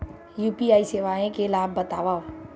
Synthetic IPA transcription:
jupiaːiseːʋaːẽkelaːbʱːət̪aːʋaː

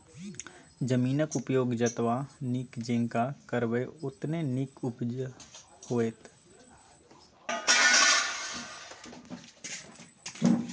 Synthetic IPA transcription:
d͡ʒəmiːnəkʊpjoːɡd͡ʒət̪ʋanɪkd͡ʒẽːŋkakəɾʋeʊt̪nenɪkʊp | hoːeːt̪

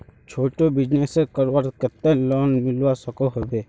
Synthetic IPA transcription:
t͡ʃʰoːʈobɪd͡ʒneːsekəɾʋaɾkət̪ːelɔːnmɪlʋasəkoɦobeː

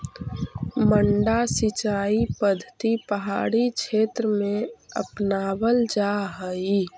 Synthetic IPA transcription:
məɳɖasɪt͡ʃaːipəd̪ʱət̪ipəɦa̰ːɽit͡ʃʰeːt̪ɾəmẽə̰pnaːbəld͡ʒaɦəi

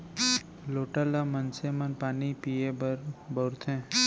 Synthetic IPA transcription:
loʈalamənsemənpanipiebəɾbʱəɾt̪ʰẽ

